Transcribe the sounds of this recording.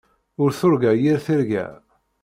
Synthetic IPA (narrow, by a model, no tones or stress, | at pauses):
ʊɾθʊɾɡæjiɾθiɾɡæ̰